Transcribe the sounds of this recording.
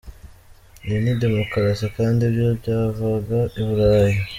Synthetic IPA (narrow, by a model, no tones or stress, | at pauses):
enidemokaɾasakaːndiβjobɟaːvaɡaʔiβuɾaɾaje